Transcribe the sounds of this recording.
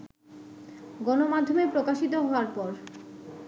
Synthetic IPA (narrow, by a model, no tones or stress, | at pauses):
ɡɔnomad̪ʱːomepɾokaʃit̪oɦɔaɾpɔɾ